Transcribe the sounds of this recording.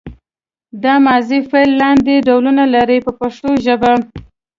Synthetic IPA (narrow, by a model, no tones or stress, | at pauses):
d̪ɑmɑzifelːɑnd̪eɖawlunalaɾəjpəpaʂʈoʒəba